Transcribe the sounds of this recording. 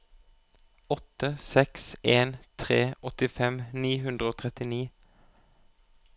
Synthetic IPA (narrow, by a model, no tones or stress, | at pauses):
ɔt̪əsɛkseːnt̪ʰʁeːʔɔt̪ɪfɛmniːhʉnd̪ʁəoːt̪ʰʁɛt̪ɪniː